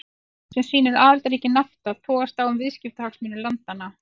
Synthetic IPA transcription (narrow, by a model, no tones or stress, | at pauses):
sɛmsiːnɪɾaːðalt̪aɾiːcɪnaft̪aðt̪ʰɔːɣast̪aːwʏmvɪðscɪft̪ahaksmɪːnʏlant̪anːa